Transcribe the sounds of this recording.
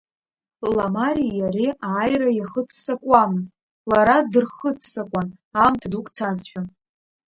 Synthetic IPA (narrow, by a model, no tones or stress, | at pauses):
lamaɾijareaːjrajaχətʰsakʷʼamɨztʼ | laɾadɨrχətʰsakʷʼan | amtʰdukʼt͡sʰazħʷᶣa